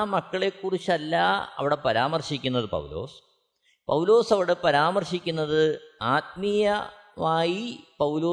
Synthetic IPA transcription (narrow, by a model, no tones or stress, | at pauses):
mɐkːɐɭe̞kːurit͡ɕːɐlːaɐ̰ʋiɽe̞pɐɾaːmɐrɕikʲːunːɐðɨpɐ̰wlo̞̰ːs | pɐwlo̞ːsɐʋiɽepɐɾaːmɐrɕikʲːunːɐðɨaːt̪̚mijɐ | maːjipɐwloː